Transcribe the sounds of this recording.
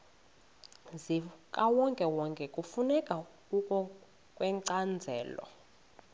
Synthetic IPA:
zikʼawɔŋkʼɛwɔŋkʼɛkʼufunɛkʼa | ukʼɔ | kʼwɛǀand͡zʱɛːlɔ̰

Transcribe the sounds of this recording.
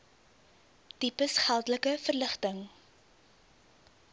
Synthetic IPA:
tipəsχælˠdələkəfərləχtəŋ

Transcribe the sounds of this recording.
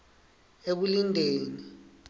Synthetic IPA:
ek̬ulindʱeːni

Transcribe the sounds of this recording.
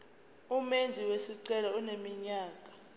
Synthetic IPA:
umend͡zʱiwesiǀɛlaunemiɲaːk̬ʼḁ

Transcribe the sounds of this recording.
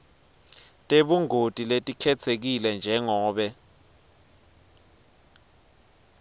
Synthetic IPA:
tʼeɓuŋʱotʼiletʼikʰɛt͡sʰek̬ilɛnd͡ʒʱɛŋɔːɓɛ

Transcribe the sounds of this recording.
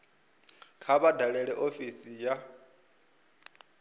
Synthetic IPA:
kʰaβadaɺɛɺɛʔofisija

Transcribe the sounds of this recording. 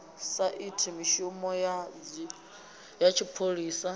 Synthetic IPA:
saʔitʰimiʃumɔja | jat͡ʃʰipʰoɺiːsa

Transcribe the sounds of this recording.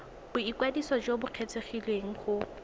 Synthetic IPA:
b̥ʊikwadisɔd͡ʒobʊq͡χʰet͡sʰeχilweŋ̩χʊ

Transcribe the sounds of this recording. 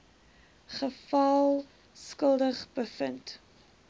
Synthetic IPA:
χəfɐlˠ | skəlˠdəχbəfənt

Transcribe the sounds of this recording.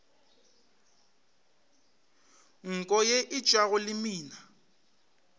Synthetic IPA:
ŋ̩kʼɔjeʔɪt͡ʃʼaɣʊlɪmiːna

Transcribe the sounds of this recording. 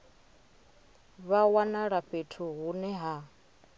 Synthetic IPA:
βawanaɺaɸetʰuɦunɛɦa

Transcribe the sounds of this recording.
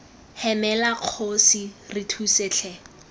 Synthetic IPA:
hɛmɛlaq͡χʰosiritʰuseːt͡ɬʰɛ

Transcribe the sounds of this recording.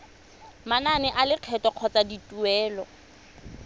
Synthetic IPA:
mananɪʔalɪq͡χʰɛtɔq͡χʰɔt͡sʼaditʼuɛːlɔ

